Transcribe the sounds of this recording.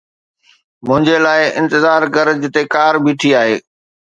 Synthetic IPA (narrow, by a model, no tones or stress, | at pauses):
mʊ̃ɦɪ̃ɲd͡ʑelaːɪɪ̰̃nt̪ɪzaːɾkɐɾd͡ʑɪt̪ekaːɾbiːʈʰiaːɦeː